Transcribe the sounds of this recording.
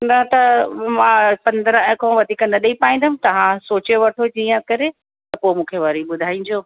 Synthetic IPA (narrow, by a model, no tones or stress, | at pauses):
nɐt̪ɐmãpɐ̃nd̪əɾə̃ɛ̃kʰõʋɐd̪ʱikɐ̃nnəɗipaːĩnd̪ɐmɪ̃t̪ɐʋ̤ãsoːt͡ɕeʋɐʈʰod͡ʑiːə̃kɐɾe | t̪ɐpoːmũːkʰeʋɐɾiɓʊd̪ʱaːĩːd͡ʑoː